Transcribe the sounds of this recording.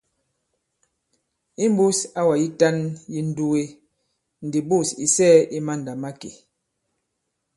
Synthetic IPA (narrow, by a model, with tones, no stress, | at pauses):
i˦m˦bu˦sa˦wa˨ji˦ta˦nji˦n̩˦du˦we˦ | n̩˨di˨bu˦˨si˨sɛː˦ʔi˦ma˦˨n̩˨da˨ma˦ke˨